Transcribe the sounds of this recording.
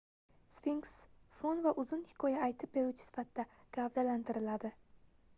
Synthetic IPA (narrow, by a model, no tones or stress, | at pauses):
sfiŋksfonvaʔʊzʊnhɪ̥kʰɒjaːjt̪ʰɪp̚be̞ɾuwt͡ʃʰɪ̥sɪ̥fat̪̚d̪aɡ̥avd̪alant̪ʰɪɾɪlad̪ɪ